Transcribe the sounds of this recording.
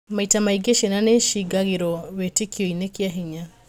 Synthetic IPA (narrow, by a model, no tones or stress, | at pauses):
maitamaiɡeʃenaneʃiɡaɣeɾɔβetikiɔinekiaɦiɲa